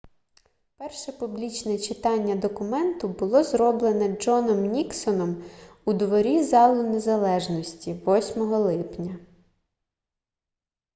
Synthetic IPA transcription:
pɛrʃɛpublʲit͡ʃnɛt͡ʃɪt̪ɑnʲːɐd̪ɔkʊmɛnt̪ʊbʊlˠɔzrɔblˠenɛd͡ʒɔnɔmnʲiksɔnɔm | ud̪ʋɔɾʲizɑlˠʊnezɐlˠɛʒnɔsʲtʲiʋɔsʲmɔɦɔlˠɪpnʲɐ

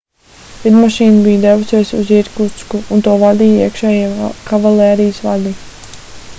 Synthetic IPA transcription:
lid̪maʃiːnbijd̪ɛvusɛjsuziɾkuskuːnt̪uɔvad̪iːjiɛkʃɛːjikʰavaleːɾijsʋa̰d̪i

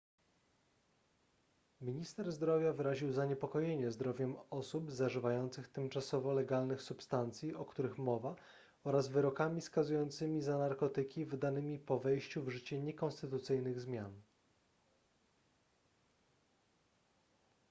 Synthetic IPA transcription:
mʲiɲist̪ɛɾzd̪ɾɔvʲjavɘɾaʑiwzaɲɛpɔkɔjeɲɛzd̪ɾɔvʲjɛmɔsubzaʐɘvajɔnt̪sɘxt̪ɘmt͡ʂasɔvɔlɛɡalnɘxsupst̪ant̪sʲjiɔkt̪uɾɘxmɔva | ɔɾazvɘɾɔkamʲiskazujɔnt̪sɘmʲizanaɾkɔt̪ɘkʲivd̪anɘmʲipɔvɛjɕt͡ɕuvʐɘt͡ɕɛɲɛkɔnst̪ɘt̪ut̪sɘjnɘɣzmʲjan

